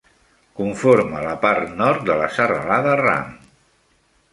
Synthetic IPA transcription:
kuɱfoɾmələpaɾt̪nɔɾt̪̚d̪ələsərə̰laðəra̰m

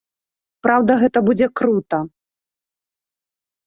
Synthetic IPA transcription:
pɾawd̪ɐɣɛt̪ɐbud͡zʲɛkɾut̪ɐ

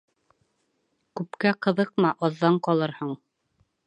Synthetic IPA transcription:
kʉpkæqɤ̆ðɤq̚mɑʔɑðːɑɴqɑlˠɤɾhɤɴ

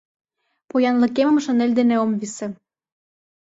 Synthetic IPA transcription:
pojɑnlə̆kemə̆mʃə̆nelʲd̪eneomβise

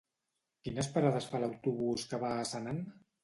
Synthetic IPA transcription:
kinəspəɾaðəsfaləwt̪uβuskəβaːsənan

